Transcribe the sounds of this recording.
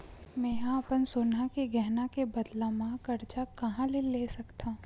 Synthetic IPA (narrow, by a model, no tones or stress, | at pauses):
mẽːɦãɐpənsoːnakeɡɛɦnakebɐd̪lamãkɐɾt͡ʃakɐɦãleleːsɐkt̪ʰaː